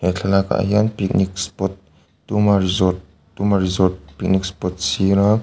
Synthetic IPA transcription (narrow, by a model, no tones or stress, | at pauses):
nɛt͡ɬʰalaka̰ʔa̰ɦianpik̚nikspɔt̪̚ː | umaɾizɔt | d̪umaɾizɔt̪̚pik̚nik̚spɔt̪̚siɾa